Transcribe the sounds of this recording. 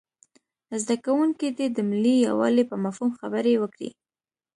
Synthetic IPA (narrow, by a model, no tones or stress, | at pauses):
zd̪akawuŋkid̪ed̪əmɪlːija̰wɑ̰lipəmafhumxabəɾewəkɽḭ